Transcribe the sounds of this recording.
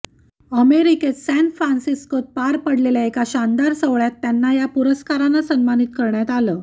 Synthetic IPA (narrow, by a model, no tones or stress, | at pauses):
əmeɾiket͡ssænfɾansiskot̪̚paɾpəɽleljaekaɕand̪aɾsəʋɭjat̪ːjanːajapuɾəskaɾãnːasəmmanit̪̚kəɾɳjat̪aləː